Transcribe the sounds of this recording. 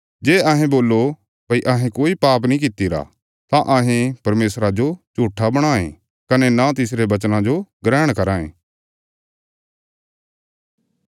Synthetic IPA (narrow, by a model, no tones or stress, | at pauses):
d͡ʒeːɐɦẽboːlːo | pɐiʔɐɦẽkoːipaːp̬nĩk̬ɪt̪iɾa̰ | t̪ãʔɐɦẽpɐɾmeːsɾad͡ʒod͡ʒuːʈʰːabɐɽ̃aːḛ̃ | kɐnenãt̪ɪsɾebɐt͡ʃnãd͡ʒoɡɾɛːɽ̃kɐɾãːḛ̃ː